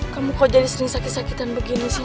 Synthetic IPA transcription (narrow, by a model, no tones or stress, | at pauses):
kamukawd͡ʒadisəɾɪŋsakɪt̪̚sakit̪anbəɡinisi